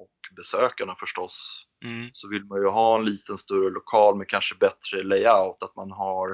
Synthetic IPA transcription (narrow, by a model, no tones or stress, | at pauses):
ɔkbɛsøːkaɳafœʂʈɔs | sɔvɪlmanjɵɦɑːɛnliːt̪ənst̪ɵɾəlʊkʰɑːlmɛkʰanʂəbɛt̪ɾəlɛɪaʊt̪at̪manɦaɾ